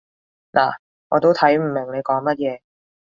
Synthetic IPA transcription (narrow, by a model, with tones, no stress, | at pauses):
lʔa̰ː˨˩ | ŋɔ̰ː˨˧t̪o˥wt̪ʰɐ˨˥jm̩˨˩mɪ˨˩ŋne˨˧jkɔː˨˥ŋmɐ˥t̚jɛː˨˧